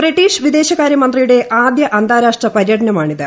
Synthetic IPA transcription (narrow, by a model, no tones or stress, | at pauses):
briʈːiːʂʋid̪e̞ːɕɐɣaːɾjɐmɐnd̪rijuɽe̞ʔaːd̪jɐʔɐnd̪ʱaːɾaːʂʈrɐpɐɾjɐʈɐnɐmaːɳiðɨ